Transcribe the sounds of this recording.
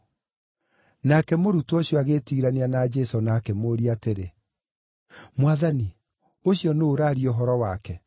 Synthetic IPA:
nakɛmoɾutɔɕjɔaɣetiːɾaneanad͡ʒɛsɔnaːkɛmoɾiateɾe | mwaðani | oɕjɔnooɾaɾioɦɔɾɔwakɛ

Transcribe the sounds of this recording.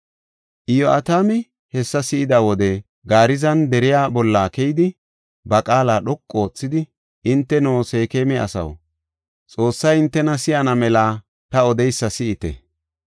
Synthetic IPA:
ʔɪjɔʔɐ̰t̪aːmɪ | hɛsːɐsɪʔɪd̪aːwɔd̪ɛ | ɡaːɾɪzɐnd̪ɛɾɪjaːbɔlːaːkɛjd̪ɪ | bɐkʼaːlaːɗɔkʼːo̞ːt͡sːɪd̪ɪ | ʔɪnt̪ːɛnoːseːkeːmɛɐ̰sɐ̰w | t͡sʼo̞ːsːɐjɪnt̪ːɛnɐsɪjɐnɐmɛlaː | t̪ɐɔd̪ɛjsːɐsɪʔɪt̪ɛ̰

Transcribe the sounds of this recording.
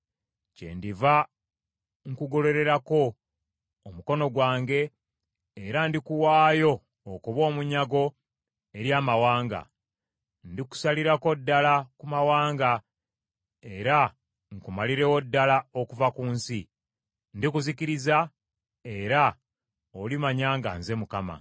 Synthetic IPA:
ce̞̰ndiva | ŋkuɡo̞le̞ɾe̞ɾako̞ː | muko̞no̞ɡwaːŋɡe̞ː | ɾandikuwaːjo̞ː | kuβo̞ːmuɲaɡo̞ | e̞ɾjaːmawaːŋɡa̰ | ndiku̥saliɾako̞dːalakumawaːŋɡa | e̞ɾa | ŋkumaliɾe̞wodːalaokuvakuːnsi | ndikuzikiɾiza | e̞ɾa | olimaɲaːŋɡa̰nze̞mukama̰

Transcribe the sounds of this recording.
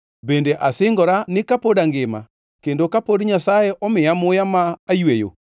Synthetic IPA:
bendeʔasɪŋɡɔɾanɪkapodaŋɡema̰ | kendokapodɲasajɛʔɔmɪamojamaːjwejo̰

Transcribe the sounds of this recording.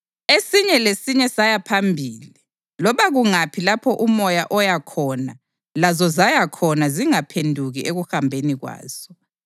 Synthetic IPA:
esiɲɛlesiɲɛsajapʰambʱiːli | lɔβaɣuŋapʰilapʰɔʔumɔjaʔɔjakʰɔna | lazɔzajakʰɔnaziŋapʰendʱuɣiʔeɣuhambʱeniɣwa̰ːz̥ɔ

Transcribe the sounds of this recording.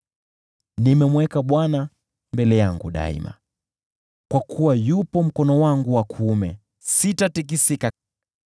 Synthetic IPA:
nimɛmwɛkaɓwana | mbɛlɛjaŋɡuɗa̰ḭma̰ | kwakʰuwajupɔm̩kɔnɔwaŋɡuwakʰːmɛ | sitatik̬isika

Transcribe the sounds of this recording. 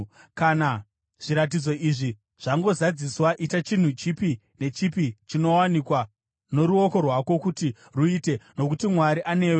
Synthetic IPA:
kana | ʐ̥iɾat̬id͡zo̞ʔiʐi | ʐ̥aŋɡo̞zad͡ziswaʔitat͡ʃin̤ut͡ʃipi | ne̞t͡ʃipit͡ʃino̞wanikwa | no̞ɾuoko̞rwako̞kuti | ruiːte̞no̞kutimwaɾiʔane̞ːwe

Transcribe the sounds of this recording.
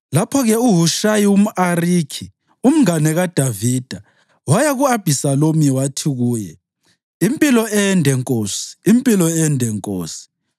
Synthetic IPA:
lapʰɔɣɛuɦuʃajiwum̩ʔariːkʰi | um̩ŋanɛɣad̥ʱaviːd̥ʱa | wajaɣuab̥ʱisalomiwatʰiɣuːjɛ̰ | impʼilɔɛɛndʱɛŋkʼoːsi̥ːmpʼilɔɛɛndʱɛŋkʼoːsi̥

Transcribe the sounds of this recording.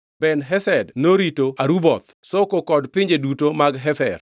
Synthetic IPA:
bɛnɦɛsɛdnoɾitoaɾubɔt̪sokokɔdpɪɲd͡ʒedutomaɡɦɛfɛ̰r

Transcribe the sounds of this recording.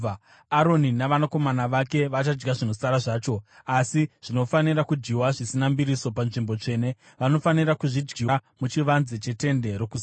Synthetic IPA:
aɾoninaʋanako̞manaʋake̞ʋat͡ʃad͡ʒɡaʐino̞saɾaʐaːt͡ʃo̞asiʐ̥ino̞fanirakud͡ʒɡiwaʐisinambiɾiso̞panʐimbo̞t͡ʂe̞ːne̞ | ʋano̞faniɾakuʐid͡ʒɡiamut͡ʃiʋanzet͡ʃe̞te̞nde̞ɾokus

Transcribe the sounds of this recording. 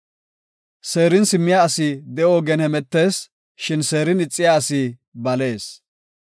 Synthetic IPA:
se̞ːɾɪnsɪmːɪjaɐsid̪ɛʔoːɡɛnhɛmɛt̪ːe̞ːs | ʃɪnse̞ːɾɪnɪt͡sʼːɪjaɐsi | bɐle̞ːs

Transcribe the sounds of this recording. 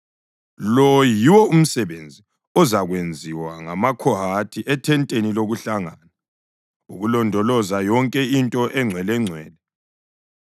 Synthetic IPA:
lɔjiwɔum̩sɛβend͡zʱi | ɔzaɣwend͡zʱiwaŋa̰makʰɔɦatʰiʔɛtʰɛntʼeniloɣuɬaŋana | uɣulɔndʱɔlɔzajɔŋkʼɛintʼɔʔɛŋ͡ǀʱwɛlɛŋ͡ǀʱwɛːlɛ

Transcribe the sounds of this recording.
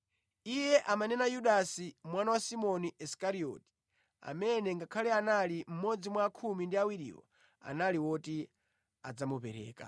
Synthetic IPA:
ijɛʔamanɛnajuɗasimwanawasimɔniʔɛskaɾiɔ̰ti̥ | a̰mɛnɛŋɡakʰalɛanalim̩mɔd͡zimwaːkʰumindiawiɾḭːlɔ̰ | a̰naliwɔti | ad͡zamupɛɾɛ̰ːka̰

